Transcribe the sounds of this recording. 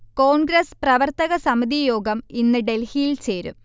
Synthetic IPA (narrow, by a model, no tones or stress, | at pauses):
koːɳɡɾɐsprɐʋɐrt̪ɐɣɐsɐmid̪ijoːɡɐminːɨɖe̞lhijlt͡ɕe̞ːɾṵm